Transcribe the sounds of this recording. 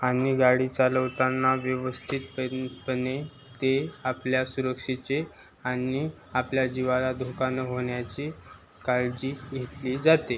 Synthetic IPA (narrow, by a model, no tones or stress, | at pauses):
aniɡaɽiːt͡saləʋt̪anːaʋjəʋəst̪ʰit̪pəpəne | t̪eapljasuɾəkʂit͡se | ani | apljad͡ʑiʋalad̪ʱokanəɦoɳjat͡ɕi | kaɾd͡ʑiːɡʱet̪liːd͡zat̪e